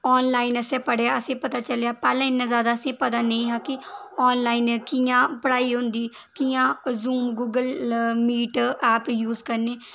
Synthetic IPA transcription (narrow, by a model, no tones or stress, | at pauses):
ɔːnlaːinəsɛ̃ːpəɽeaːəsẽːpət̪aːt͡ʃəlejaːpɛːlãːɪnːãːzaːd̪aːəsẽːpət̪aːneĩːɦãːkɪɔːnlaːinkiːjãːpəɽaːiːɦʊ̃nd̪iː | kijãːzuːmɡuːɡəlmiːʈɛːpjuːzkəɾneː